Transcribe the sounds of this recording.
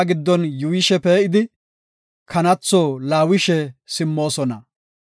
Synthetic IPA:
ɡɪd̪ːɔnjʊwɪʃɛpeːʔɪd̪ɪ | kʰɐnɐt͡sːoːlaːwɪʃɛsɪmːo̞ːsɔnɐ

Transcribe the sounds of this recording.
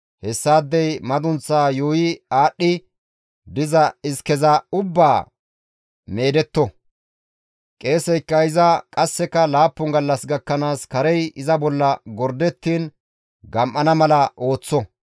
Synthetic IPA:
hɛsːaːd̪ːɛjmɐd̪ʊnt͡sːaːjoːjɪaːɗːɪ | d̪ɪzɐɪskɛzɐʊbːaː | me̞ːd̪ɛt̪ːɔ | kʼe̞ːsɛjkːɐɪzɐkʼɐsːɛkɐlaːpːʊŋɡɐlːɐsɡɐkːɐnaːskɐɾɛjɪzɐbɔlːɐɡɔɾd̪ɛt̪ːiːn | ɡɐmʔːɐnɐmɐlɐʔo̞ːt͡sːɔ

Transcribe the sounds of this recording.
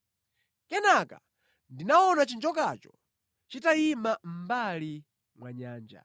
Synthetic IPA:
kɛnaka̰ | ndinaɔnat͡ʃind͡ʒɔkat͡ʃɔ | t͡ʃitaimam̩bali | mwaɲaːnd͡ʒa̰

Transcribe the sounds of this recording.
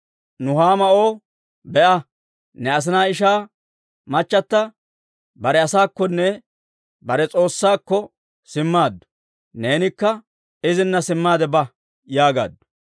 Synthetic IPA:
nʊɦaːmɐo̞ː | bɛʔɐ | nɛɐs̬ɪnaːɪʃ̬aː | mɐt͡ʃːɐt̪ːɐ | bɐɾɛɐsaːkːɔnːɛ | bɐɾɛt͡sʼo̞ːsːaːkːɔ | sɪmːaːd̪ːʊ̥ | ne̞ːnɪkːɐ | ɪzɪnːɐsɪmːaːd̪ɛbɐ | jaːɡa̰ːd̪ːʊ̥

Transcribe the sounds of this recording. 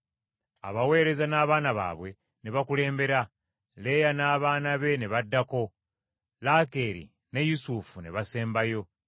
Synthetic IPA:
a̰βawe̞ːɾe̞zanaːβaːnaβa̰ːβwe̞ | ne̞βakule̞ːmbe̞ɾa | le̞janaːβaːnaβe̞ne̞βadːako̞ | lake̞ːɾḭ | ne̞jusufune̞βase̞ːmbajo̞

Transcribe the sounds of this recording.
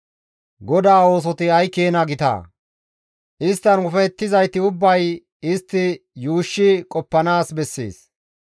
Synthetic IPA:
ɡɔd̪aːo̞ːs̬ɔt̪ɪɐjkːeːnɐɡɪt̪a̰ː | ʔɪst̪ːɐnʊfɐt̪ːɪzɐjt̪ɪʊbːɐj | ɪst̪ːɪjuːʃːɪkʼɔpːɐnaːsbɛsːḛːs

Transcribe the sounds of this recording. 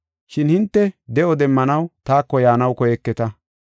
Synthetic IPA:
ʃɪnhɪnt̪ːɛd̪ɛʔɔd̪ɛmːɐnɐwt̪aːkːɔjaːnɐwkɔjɛkːɛt̪ɐ

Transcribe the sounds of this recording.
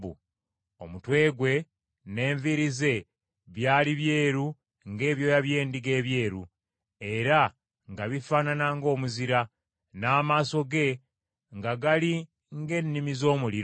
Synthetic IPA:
u | o̰mutwe̞ːɡwe̞ | ne̞ːɱviɾize̞ | βjaːliβje̞ːɾu | ŋɡe̞ːβjo̞jaβje̞ːndiɡe̞ːβje̞ːɾu | e̞ɾa | ŋɡaβifaːnanaŋɡo̞ːmuziɾa | naːmaːso̞ɡe̞ | ŋɡaɡali | ŋɡe̞nːimizo̞ːmuliɾ

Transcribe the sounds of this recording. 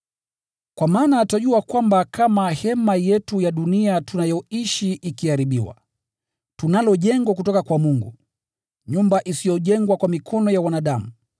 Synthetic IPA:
kwamaːnataʄuakwambakamahɛmajɛtujaɗuniatunajɔiʃiʔikiaɾiɓiwa̰ | tunalɔʄɛŋɡwak̬utɔkakwamuŋɡṵ | ɲumbaʔisijɔʄɛŋɡwakwamikʰɔnɔjawanaɗamu

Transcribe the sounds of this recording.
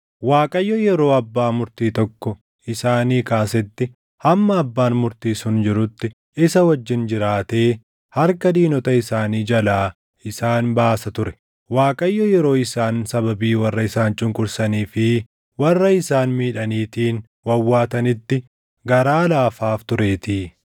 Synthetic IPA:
waːkʼɐjːɔjɛɾo̞ːɐbːaːmʊɾt̪iːt̪ɔkːɔ | ɪsaːniːkaːsɛt̪ːɪ | hɐmːɐːbːaːnmʊɾt̪iːsʊnd͡ʒɪɾʊt̪ːɪ | ɪsɐwɐd͡ʒːɪnd͡ʒɪɾaːt̪eː | hɐɾkɐd̪iːnɔt̪ɐɪsaːniːd͡ʒɐlaː | ɪsaːnbaːsɐt̪ʊɾɛ̥ | waːkʼɐjːɔjɛɾo̞ːɪsaːnsɐbɐbiːwɐrːɐɪsaːnt͡ʃʼʊŋkʼʊɾsɐniːfɪ | wɐrːɐɪsaːnmiːᶑɐniːt̪iːn | wɐwːaːt̪ɐnɪt̪ːɪ | ɡɐɾaːlaːfaːft̪ʊɾe̞ːt̪iː

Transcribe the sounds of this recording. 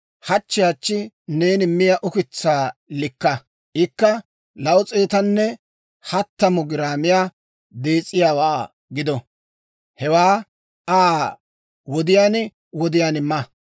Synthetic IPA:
hɐt͡ʃːɪjat͡ʃːɪ | ne̞ːnɪmɪjɐʔʊkɪt͡sːaːlɪkːɐ | ʔɪkːɐ | lɐʊt͡sʼeːt̪ɐnːɛ | hɐt̪ːɐmʊɡɪɾaːmɪjaː | d̪e̞ːt͡sʼːɪjaːwaː | ɡɪd̪ɔ | hɛwaː | ʔaː | wɔd̪ɪjaːn | wɔd̪ɪjaːnɪmːɐ

